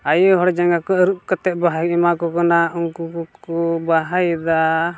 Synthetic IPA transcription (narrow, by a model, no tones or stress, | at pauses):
ajɔɦɔɽd͡ʒaŋɡakɔəɾuʔkat̪ɛʔ̪̚baɦajimakɔkɔnauŋkukukɔbaɦajd̪a